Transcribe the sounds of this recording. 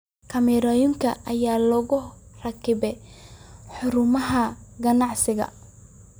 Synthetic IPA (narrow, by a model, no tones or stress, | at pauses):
kʰɐmɛɾɔjʊŋkʰɐʔɐjaːlɔɣʊrɐkʰɪβɛ | ħʊɾʊmɐɦɐɡɐnɑʕsɪɣɐ̰